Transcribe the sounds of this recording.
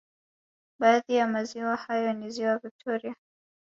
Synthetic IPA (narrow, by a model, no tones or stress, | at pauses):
baːðijamaziwahajɔniziwavik̚tʰɔɾia